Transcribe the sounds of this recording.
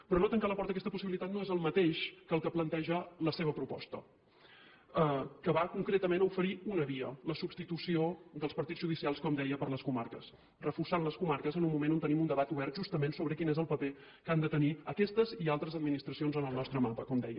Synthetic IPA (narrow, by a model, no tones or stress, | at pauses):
pɾɔnot̪əŋkaləpɔɾt̪əkɛst̪əpusiβilit̪at̪noezəlˠmət̪eʃkəlˠkəplənt̪ɛʒələseβəpɾupɔ̰st̪ə | əkəβakuŋkɾet̪əmenəufəɾiunəβiələsubst̪it̪usiod̪əlˠspəɾt̪id͡zʒuð̞isialˠskɔmd̪ɛjəpəɾləskuma̰ɾkəs | rəfursanləskumaɾkəzənummumenont̪ənimund̪əβat̪uβɛɾrt̪̚ʒust̪əmensoβɾəkinezəlˠpəpe | kand̪ət̪əniəkɛst̪əzialˠt̪ɾəzəd̪minist̪ɾəsionzənəlˠnɔst̪ɾəmapəkɔmd̪ɛ̰jə